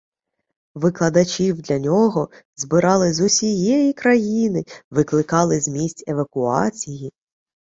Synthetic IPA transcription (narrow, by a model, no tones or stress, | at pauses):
ʋɪklˠɐd̪ɐt͡ʃʲiwd̪lʲɐnʲɔɦɔzbɪɾɑlˠɪzʊsʲijɛjikɾɐjinɪʋɪklˠɪkɑlˠɪzʲmʲisʲtʲeʋɐkʊɑt͡sʲiji